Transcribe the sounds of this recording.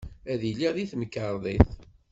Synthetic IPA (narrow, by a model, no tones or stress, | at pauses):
æðilːiðiθməkːəɾˤðˤiθ